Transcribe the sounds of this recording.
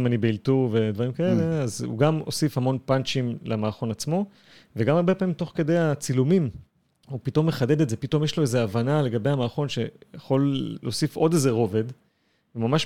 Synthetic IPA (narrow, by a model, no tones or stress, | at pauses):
manibeiltuve̞d̪vaʁimkaele̞azṵɡamo̞̰sifhamo̞npant͡ʃimlamaːχo̞nat͡smo̞ | veɡamaʁbe̞paːmimt̪o̞χke̞d̪e̞jat͡silumim | upito̞mːe̞χade̞d̪etze̞pito̞mjeʃlo̞eze̞avanale̞ɡabejamaːχo̞nʃe̞jaχo̞lːoːsifo̞d̪e̞ze̞ʁo̞ve̞d̪ | vemamaʃ